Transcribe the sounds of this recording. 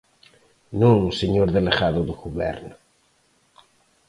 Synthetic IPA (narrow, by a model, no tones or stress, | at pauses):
nũŋseɲoɾðeleɣaðoðuɣuβɛ̰ɾno